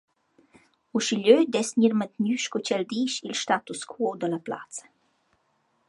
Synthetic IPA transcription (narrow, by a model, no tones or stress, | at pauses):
uʃiʎød̪ɛsɲiɾmət̪myʃkɔt͡ɕɛld̪iʃilʃt̪at̪uskʰuod̪əlapla̰t͡sə̥